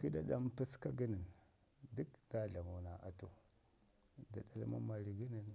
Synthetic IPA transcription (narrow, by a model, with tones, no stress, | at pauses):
ki˦da˨da˦mpi˦ska˦ɡə˦ni˨n | du˦kda˦ɮa˨mo˨na˨ʔa˨to˨ | da˨ɗa˨lma̰˦ma˨ɾi˨ɡi˦ni˨n